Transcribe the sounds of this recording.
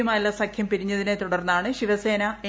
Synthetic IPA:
ɐmaːjilːɐsɐkʰjɐmpiɾiɲːɐðine̞t̪uɽɐrnːɐaːɳɨɕiʋɐse̞ːnɐe

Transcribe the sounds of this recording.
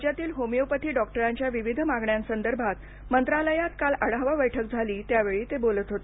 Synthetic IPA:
d͡ʑjat̪iːlɦomijowpət̪ʰiːɖɔk̚ʈəɾaɲt͡ɕjaʋiʋid̪ʱmaɡɳjãnsənd̪əɾbʱat̪ | mənt̪ɾaləjat̪kaləɽaɦʋabəjʈʰək̚d͡zʱaliːt̪jaʋeɭiːt̪ebolət̪ɦot̪e

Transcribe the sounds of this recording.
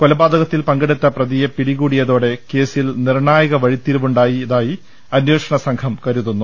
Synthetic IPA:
ko̞lɐbaːd̪ɐɣɐt̪ːilpɐŋɡɐɽit̪ːɐprɐðijɐpiɽiɣuːɽijɐðo̞ːɽe̞ke̞ːsilnirɳaːjɐɣɐʋɐɻit̪ːiɾuʋuɳɖaːjiðaːji | ɐnjeːʂɐɳɐsɐŋkʰɐmkɐɾuðunːu

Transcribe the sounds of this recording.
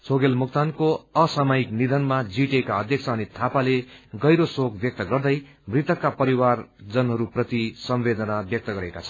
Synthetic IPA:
t͡sʰoɡelmukt̪ankoʌsamʌiknid̪ʱʌnmad͡ziʈekaʌd̪ʱjʌk̚t͡sʰʌːnit̪ʰapaleɡʌjɾosokbjʌk̚t̪ʌɡʌrd̪ʌj | mrit̪ʌkːapʌɾiward͡zʌnɦʌɾuprʌt̪isʌmbed̪ʌnabjʌk̚t̪ʌɡʌɾekat͡sʰʌn

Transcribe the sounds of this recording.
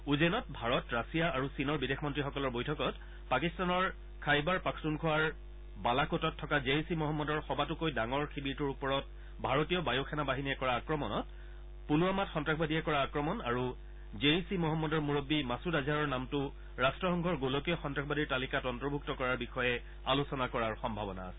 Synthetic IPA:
uzenɔtbʱaɹɔtɹasijaaɹusinɔɹbidexʰmɔntɹixɔkɔlɔɹbojtʰɔkɔt | pakistanɔɹ | kʰajbaɹpakʰsunkʰɔwaɹ | balakotɔtʰːɔkazeisimɔɦɔmːɔdɔɹxɔbatʊkojdaŋɔɹxʰibiɹtuɹupɔɹɔt̚ | bʱaɹotijɔbajoxʰɛnabaɦinijɛkɔɹaːkɹɔmɔnɔt | puluamatxɔntɹakbadiɛkɔɹaːkɹɔmɔnaɹu | zeisimɔɦɔmːɔdɔɹmuɹobːimasudazʱaɹɔɹnamtʊ | ɹastɹɔxɔŋɡʱɔɹɡolokijɔxɔntɹakʰɔbadiɹtalikatɔntɔɹbʱuk̚tɔkɔɹaɹbixɔjɛ | alusɔnakɔɹaɹxɔmbʱabɔna̰ːsɛ

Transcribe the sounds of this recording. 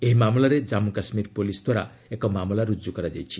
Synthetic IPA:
eɦimamlaɾed͡ʒamukasmiɾpolisd̪ʱwaɾa̰ | ekɔmamlaɾud͡ʒukɔɾad͡ʒajt͡ʃʰi

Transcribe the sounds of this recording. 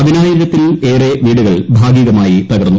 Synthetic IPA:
ɐðinaːjiɾɐt̪ːile̞ːreʋiːɽuɣɐɭbʱaːɡiːɣɐmaːjip̪rɐɣɐrnːu

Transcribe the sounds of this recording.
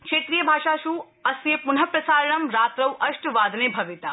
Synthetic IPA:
kʃeːt̪ɾijəbʱaːʃaʃu | ɐsjɐpunɦɐpɾɐsaːɾəɳɐmɾaːt̪ɾɐʋʔɐʃʈʋaːd̪ʱnebʱɐʋit̪a

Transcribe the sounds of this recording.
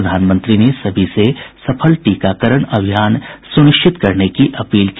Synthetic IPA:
d̪ʱaːnmə̃nt̪ɾinesɐbʱisesɐpʰəlʈiːkaːkəɾəɽ̃ɐbʱijaːnsʊnɪʃt͡ʃʰɪt̪kɐɾnekiʔɐpiːlk

